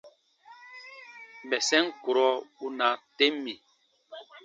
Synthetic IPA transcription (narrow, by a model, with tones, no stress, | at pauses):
ɓɛ˨sɛ˦ŋ˦ku˨ɾɔ˦u˦na˨te˦mːi˨